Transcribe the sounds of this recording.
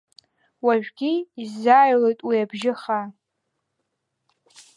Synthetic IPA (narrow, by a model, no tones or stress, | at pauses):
waʒᶣɡʲiːzaːjlejtʼwiabʒɪχa